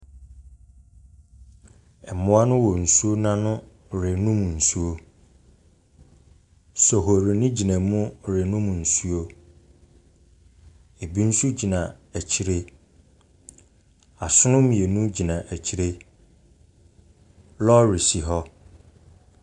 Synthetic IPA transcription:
ɛ˨mʊ̃˦a˦nʊ̃˦wɔ˨n̩˨su˦o˦nã˦nʊ̃˦ | ɾɪ˨nũ˦m̃˨n̩˨su˦o˦ | sɔ˨ɦo˨ɾe˨nĩ˦d͡ʑi˨nã˨˦mʊ̃˦ɾɪ˨nũ˦m̃˨n̩˨su˦o˦ | e˨bi˦n̩˦su˦d͡ʑi˨nã˨æ˨t͡ɕʰi˦ɾe˦ | a˨sʊ˦nʊ̃˦mĩ˨e˨nũ˦d͡ʑi˨nã˨ʔæ˨t͡ɕʰi˦ɾe˦ | lɔ˦ɾi˨si˨ɦɔ˦

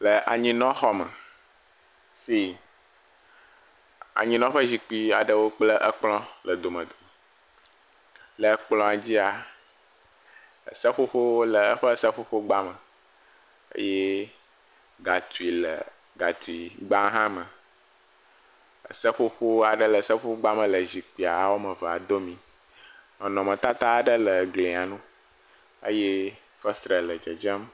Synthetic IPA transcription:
lə˨ʔa˨ɲĩ˦nɔ̃˦xɔ˦mə̰˨ | si˦ | a̰˨ɲĩ˦nɔ̃˦ɸə˦zi˨k͡pi˦a˨ɖə˦wo˦k͡plə˦ʔə˦k͡plɔ̃˦lə˨d̪o˨mə̰̃˨d̪o˨ | lə˨˦k͡plɔ̃˦a˨d͡ʑi˦a˨ | ə̰˨sə˦ɸo˦ɸo˦lə˨ə˦ɸə˦sə˦ɸo˦ɸo˦ɡ͡ba˦mə̃˨ | ə̰˦jɛ˦ | ɡa˨t̪u˨i˨lə̰˨ | ɡa˨t̪u˨i˨ɡ͡ba˦ɦã˦mə̃˨ | ə̰˨sə˦ɸo˦ɸo˦a˨ɖə˦lə˨sə˦ɸo˦ɡ͡ba˦mə̃˨lə˨zi˨k͡pi˨a˨a˨wo˦mə̃˨və˨a̰˨d̪o˦mĩ˨ | nɔ̃˨nɔ̃˨mə̃˨t̪a˦t̪a˦˨ɖə˦lə˨ɡlẽ˨a˨nũ˦ | ə̰˦je˦ | fə˦st̪ɾə˨lə˨d͡ʒə˨d͡ʒə˦m

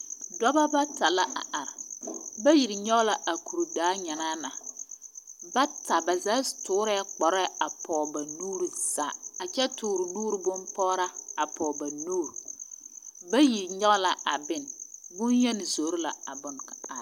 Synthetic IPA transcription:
dɔ˦ba˦ba˦ta˨la˦ʔa̰˨ʔa˨ɾba˦ji˨ɾɪ˨ɲɛ˦ɣla˦ʔa˨ku˨ɾdaː˨˦ɲɛ˨naː˦na˨ | ba˦ta˨ba˨za˨˦tʊː˦ɾɛ˦k͡pɔ˨ɾɛ˦a˨pɔː˨ba˨nuː˦ɾi˨z̥aː˨a˨t͡ʃɛ˦tʊː˨ɾɪ˨nuː˦ɾɨ˨bʊ˦mpɔ˦ɾa˦a˨pʰɔː˨ba˨nuː˦ɾ | ba˦ji˨ɾɲɛ˦ɣla˨ʔa̰˨bɪ˦˨n˨bʊ˦njɛ˦nɪ˨zo˨˦ɾɪ˦la˨a˨bʊ˨n˨kḁ˨a˨ɾ

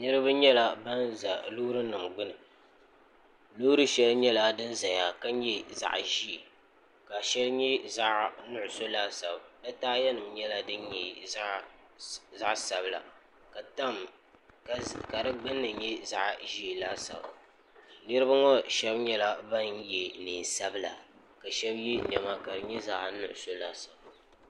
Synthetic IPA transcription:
nɨ˦ɾɨ˦ba˦ɲɛ˦la˨ba˦nza˨lu˦ɾɨ˦nɨ˨mɡ͡bʊ˦nɨ˨ | luː˦ɾɨ˦ʃɛ˦lɲɛ˦la˦dɨ˦nza˨ɲa˨ka˦ɲ˦ɛ˦za̰˨ʔʒi˦e˨ | ka˨ʃɛ˦lɲɛ˦za˦ʔnʊ˦ʔʊ˨so˦laː˦sa˨bbɛ˦taː˦jɛ˦nɨ˨mɲɛ˦la˦dɨ˦n˦ɲɛ˨˦ | za˦ʔsa˨bla̰˨ | ka˨ta˦m | ka˨dɨ˦ɡ͡bɨ˦nːɨ˨jɛ˦za˦ʔʒi˦˨la˦sa̰˨b | nɨ˦ɾɨ˦ba˦ŋɔ˦ʃɛ˦bɲɛ˦la˦ba˦n˦jɛ˨niː˨sa˦bɨ˦la̰˨ | ka˨ʃɛ˦bji˦nɛ˨ma˦ka˨ɾɨ˨ɲɛ˦za˦ʔnʊ˦ʔʊ˨so˦la˦sa˨b

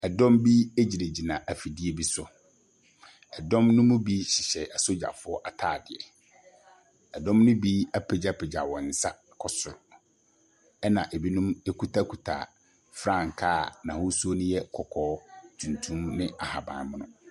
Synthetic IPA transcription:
ɛ˨dɔ̃˦mbi˦e˦d͡ʑi˨ɾe˨d͡ʑi˨nã˨ʔæ˨fi˨di˦e˦bi˦sʊ˨ | ɛ˨dɔ̃˦mnʊ̃˦mʊ̃˦bi˦ɕɪ˨ɕɛ˨a˨so˦d͡ʑa̰˨fʊ˦ɔ˦ʔa˨tʰaː˦˨dɪ˨ɛ˨ | ɛ˨dɔ̃˦mnʊ̃˦bi˦a˦pʰe˨d͡ʑa˦pʰɪ˨d͡ʑa̰˨wɔ̃˨n̩˨sa˦ | kʰɔ˦sʊ˨ɾ | ɛ˦nã˨ʔe˨bi˦nũ˦me˦kʰu˦tʰa˦kʰu˨tʰa̰˨ | fɾã˦˨ŋ˨kʰaː˦˨nã˨hʊ˦su˦o˦nʊ̃˦jɛ˦kʰɔ˨kʰɔː˦tʰũ˨ntʰũ˦mnɪ̃˦a˨ha˨bã̰˨n˦mʊ̃˦nʊ̃˦

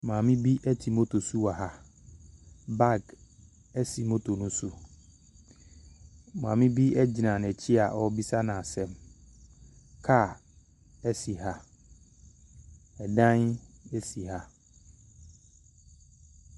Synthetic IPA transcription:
mãː˨mɪ̃˦bi˦ʔɛ˦tʰi˨mo˦tʰo˨su˦wa˨ɦa˦ | ba˦˨ɡ | ɛ˦si˨mo˦tʰo˨nʊ̃˦su˦ | mã˨mɪ̃˦bi˦ʔɛ˦d͡ʑi˨nã˨n˨ɛ˨t͡ɕʰi˦a˨ʔɔ˦bi˦sa˦nã˨sɛ̃˦m | kʰa˦˨ | ɛ˦si˨ɦa˦ | ɛ˨dã˦nɛ˦si˨ha˦

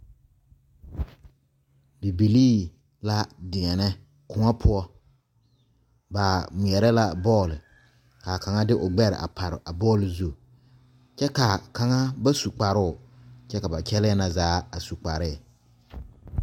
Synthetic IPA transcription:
bi˨bi˨liː˦ | la˦dɪ˨ŋɛ˨nɛ˦ | kʊ˨ŋa˦pʰʊ˦ɔ˦ | ba˨mʊ˨ɛ˨ɾɛ˦la˦bɔː˦˨lɪ˨ | ka˨ka˨ŋa˦dɪ˦ʔʊ˨ɡ͡bɛ˦ɾɪ̰˨ʔa̰˨pa˨ɾɪ˨ʔa˨bɔː˦˨lzu˦˨ | t͡ʃɛ˦ka˨ka˨ŋa˦ba˦su˨k͡pa˨ɾʊ˦ʊ˨t͡ʃɛ˦ka˨ba˨t͡ʃɛ˦lɪ˦ɛ˦na˨zaː˨˦a˨su˨k͡pa˨ɾɪ˦˨

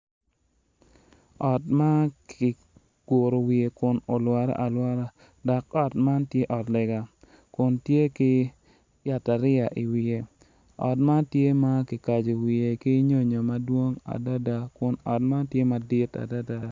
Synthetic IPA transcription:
ɔ˨tma˦kʰɪ˨ | ɡ̥o˨ɾo˨wi˨e˨kʊ˨no˨lwa˨ɾa̰˦ʔa˨lwa˦ɾa˦ | dɔ˨kɔ˦˨tma˦ntje˦ʔɔ˨tlɛ˨ɡa˨ | kʊ˨ntje˦kɪ˦ | ja˨ta˨ɾɪ˦a˨ʔi˨wi˨e˨ | ɔ̰˨tma˦tje˦ma˦kɪ˨ka˨d͡ʒo˨wi˨e˨ki˦ɲo˦ɲo˨ma˦dwo˦ŋa̰˨da˦da˨kʊ˨nɔ˨t̚ma˦ntje˦ma˨dɪ˦ta̰˨da˦da˨

